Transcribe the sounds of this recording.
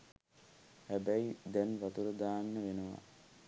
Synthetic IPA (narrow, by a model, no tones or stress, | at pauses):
hæbæid̪ɛnʋat̪uɾəd̪aːnːəʋenəʋa̰